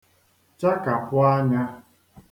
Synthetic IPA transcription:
t͡ʃa˦ka˨pʊ˦a˦ɲa˦

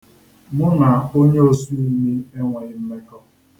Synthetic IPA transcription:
mʊ˦na˨o˦ɲe˦o˦su˦i˦mi˦e˦ŋʷe˨ɲɪ˦m̩˦me˦kɔ˦

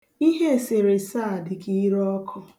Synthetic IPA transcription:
i˦ɦe˦˨se˨ɾe˨sa˦˨dɪ˨ki˦i˦ɾɔ˦kʰɔ˦

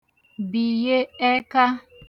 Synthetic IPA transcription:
bi˨je˦e˦ka˦

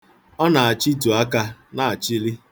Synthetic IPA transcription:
ɔ˦na˨a˨t͡ʃi˦tu˨a˦ka˦na˨a˨t͡ʃi˦li˦

